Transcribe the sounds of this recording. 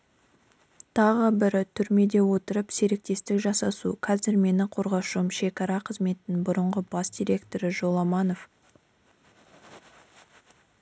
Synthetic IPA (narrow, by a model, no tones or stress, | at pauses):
t̪ʰɑʁəbɪɾt̪ʰʏɾme̞d̪e̞wo̞t̪əɾəpse̞ɾe̞k̚t̪e̞st̪ɪkʒɑsɑsuqʰɑzɪɾme̞nɪqʰo̞ɾʁɑʃumʃe̞kɑɾɑqʰəzme̞t̪ɪnɪnbʊɾəɴʁəbɑsd̪ʲijɾʲe̞kt̪o̞ɾɪʒo̞lˠɑmɑno̞f